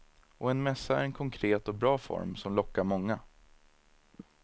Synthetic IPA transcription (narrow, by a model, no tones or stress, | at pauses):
ʔɔɛnmɛsːaæ̰ɾɛnkʰɔŋkʰɾeːt̪ɔbɾɑːfɔ̰ɾmsɔmlɔkːaɾmɔŋːa